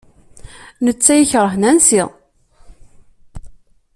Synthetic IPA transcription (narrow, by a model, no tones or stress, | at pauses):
nət͡sːæjəçɾˤəħnænsið